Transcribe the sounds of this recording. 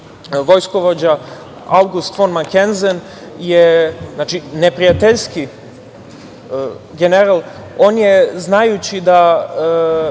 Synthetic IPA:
ʋo̞jsko̞ʋod͡ʑa | awɡust̪fonmakenzen | jeznat͡ʃinepɾijat̪eʎski | ɡeneɾalˠ | o̞ːnjeznajut͡ɕid̪a

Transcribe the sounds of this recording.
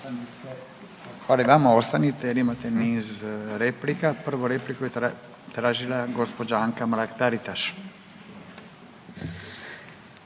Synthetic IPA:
xalajʋamaost̪anit̪ɛlimat̪ɛnizɾeplikapr̩ʋoɾeplikoje | t̪ɾaːʒilaɡospod͡ʒaaŋkamlakt̪aɾit̪aʃ

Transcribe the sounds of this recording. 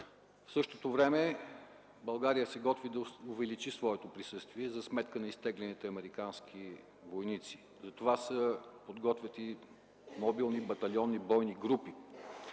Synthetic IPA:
fsɤʃt̪ot̪ovɾɛmɛ | bɐlˠɡaɾijəsɛɡɔt̪vid̪ɐʊvɛlit͡ʃisvɔɛt̪opɾisɤst̪viɛzɐsmɛt̪kənɐist̪ɛɡlɛnit̪ɛɐmɛɾikanskʰi | vojnit̪si̥ | zɐt̪ovasəpod̪ɡɔt̪vʲət̪i | mobilˠnibɐt̪ɐlʲjɔnːibɔjniɡɾupi

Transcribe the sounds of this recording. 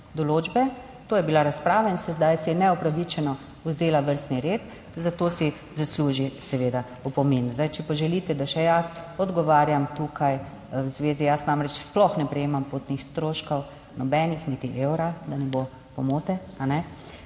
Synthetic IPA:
d̪ɔloːd͡ʒbɛ | t̪oːjɛbilaɾaspɾaːʋainsɛzd̪ajsɛnɛɔpɾaʋit͡ʃɛnɔ | uzeːlaʋəɾst̪niɾeːt̪ | zat̪oːsi | zasluʒisɛʋeːd̪a | upɔmeːnuzd̪ajt͡ʃɛpaʒɛlit̪ɛd̪aʃɛjasɔd̪ɡɔʋaːɾjamt̪ukaj | wzʋeːzijasnaːmɾɛt͡ʃsplɔxnɛpɾɛjeːmampot̪nixst̪ɾoːʃkɔw | nɔbɛnixnit̪iʔewɾad̪anɛbo | pɔmoːt̪ɛ | anɛ

